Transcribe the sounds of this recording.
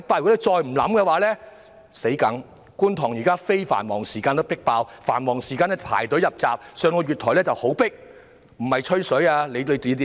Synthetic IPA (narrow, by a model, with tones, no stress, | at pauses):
ɪ˥k̚paː˧wjt͡sɔː˧jm̩˨˩lɐ˨˥mkɛː˧waː˨˥lɛː˥ | se˨˥jkɐ˨˥ŋ | kuː˥nt̪ʰɔː˨˩ŋjiː˨kaː˥fe˥jfa̰ː˨˩nmɔː˨˩ŋsiː˨˩kaː˧nt̪o˥pɪ˥k̚paː˧wfaː˨˩nmɔː˨˩ŋsiː˨kaː˧nɛ˥pʰa̰ː˨˩jt̪ɵ˨˥wjɐ˨p̚t͡sa̰ː˨p̚sœː˨˧ŋkɔː˧jɥyː˨t̪ʰːɔː˨˩lɛː˥t͡sɐ˨who˨˥wpɪ˥k̚ | m̩˨˩hɐ˨jt͡ʃʰɵ˥sɵ˨˥jaː˧le˨˧jle˨˧t̪i˨˧˥t̪i˧